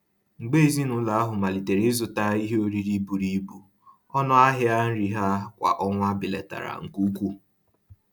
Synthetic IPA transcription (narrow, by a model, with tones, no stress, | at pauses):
ŋ͡m̩˨ɡ͡be˦˨zi˦nʊ˦la˨a˦ɦʊ˨ma˨li˨te˨ɾe˦zʊ˨ta˦i˦ɦe˦o˦ɾi˦ɾi˦bu˨ɾi˦bu˨ | ɔ˦nɔ˦a˦ɦɪ˦a˦n̩˦ɾi˨ɦa˦kʷa̰˨ʔɔ˦ŋʷa˦bɪ˨lḛ˨ta̰˨ɾa̰˨ŋ̩˨ku˦kʷu˦